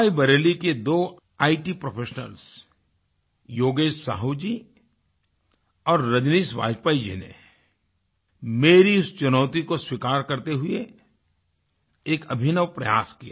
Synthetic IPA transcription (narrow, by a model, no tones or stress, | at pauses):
aibɐɾeːliked̪oː | aːiʈipɾopʰeːʃnə̰ls | joːɡeːʃsa̰ːɦud͡ʒiː | ɔːɾːɐd͡ʒniːsʋa̰ːd͡ʒpaːid͡ʒḭnḛ | meːɾiʊst͡ʃʊnɔːt̪ikoswikaːɾkɐɾt̪eɦʊe | eːkɐbʱɪnəʋpɾɐ̰ja̰ːskijaː